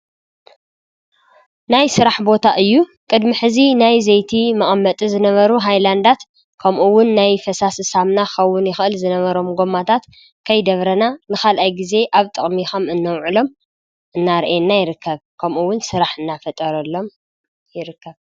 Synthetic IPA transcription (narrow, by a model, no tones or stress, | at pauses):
najsɨɾaħbo̞t̪ʰaʔɨjːukʼɨd̪miħɨzinajzɐjt̪ʰimɐʔʼmːɐt̪ʼizɨnɐβɐɾuɦajland̪at̪ | kʰɐmʔuwʊnːajfɐsasɨsamnaxɐwːʊnjɪxʔɨlzɨnɐβɐɾo̞mɡo̞mːat̪ʰat̪ | kʰɐjd̪ɐβɾɐnanɨxalʔajɡize̞ʔaβt̪ʼɨχʼmixomɨnːɐwʕulo̞m | ʔɨnːaɾʔenːajɪɾɨkʰːɐβkʰɐmʔuwːʊnsɨɾaħɨnːafɐt̪ʼɐɾɐlːo̞m | jɪɾɨkːɐβ